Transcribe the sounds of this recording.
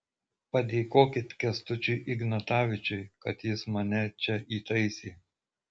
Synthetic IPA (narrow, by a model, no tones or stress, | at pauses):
pɐd̪ʲeːkoːkʲɪt̪ʲkʲɛst̪ʊt͡ʃʲʊːʔɪɡnɐt̪ɑːʋʲɪt͡ʃʲʊɪkɐt̪jɪsmɐnʲɛt͡ʃʲɛʔiːt̪ɐɪsʲiː